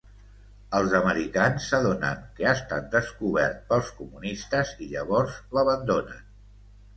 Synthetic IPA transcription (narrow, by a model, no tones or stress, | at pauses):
əlˠzəməɾikansːəðonə̰ŋkəəst̪at̪̚d̪əskuβ̞ɛrt̪̚pəlˠskumunist̪əziʎəβɔɾzləβənd̪onən